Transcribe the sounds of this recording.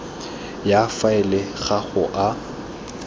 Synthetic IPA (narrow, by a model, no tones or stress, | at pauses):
jafaɪlɪɣaɣʊʔa